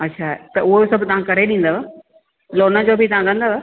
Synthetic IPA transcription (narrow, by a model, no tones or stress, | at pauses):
ɐtːʃʰaːt̪ɐʊɦosɐbʱʊt̪ɐʋ̤ãkɐɾeɗĩːn̆d̪aa | loːnəd͡ʑoːbʱit̪ɐʋ̤ãɡɐ̃nd̪aːʋa